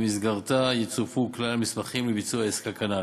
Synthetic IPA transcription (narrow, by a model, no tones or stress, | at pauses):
misɡaʁt̪ajet͡sufuklalamismaχimlebit͡suaeskakana